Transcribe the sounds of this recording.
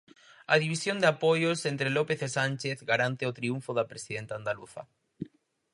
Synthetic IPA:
ɐ̰ðiβ̞isjond̪eapojosent̪ɾelopeθesanʲt͡ʃeθɡaɾant̪eot̪ɾiuɱfoðɐpɾesiðent̪aːnd̪aluθɐ̰

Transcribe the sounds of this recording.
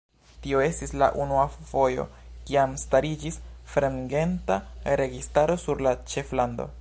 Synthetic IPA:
tio̞e̞stisla̰ʔunuafo̞jo̞̰kiamstaɾid͡ʒisfɾemɡe̞ntaɾe̞ɡistaɾo̞suɾlat͡ʃe̞flando̞̰

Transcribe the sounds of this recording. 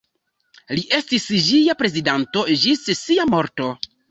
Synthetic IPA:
liʔe̞stisd͡ʒijapɾe̞zidanto̞d͡ʒissiamo̞ɾto̞

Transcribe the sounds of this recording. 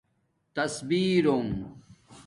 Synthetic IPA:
t̪ɐsbiːɾom

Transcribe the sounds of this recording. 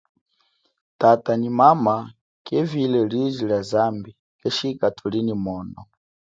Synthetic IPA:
tatanimama | kɛvilɛlizilazambi | kɛʃikatʰulinimɔːnɔ

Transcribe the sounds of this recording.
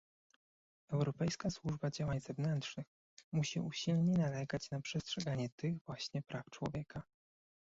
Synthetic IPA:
ɛwɾɔpɛjskaswuʐbad͡ʑawaɲzɛvnɛntʂnɘx | muɕiʔuɕilɲɛnalɛɡat͡ɕnapʂɛstʂɛɡaɲɛt̪ɘɣvwaɕɲɛpɾʔaft͡ʂwɔ̰vʲjɛka

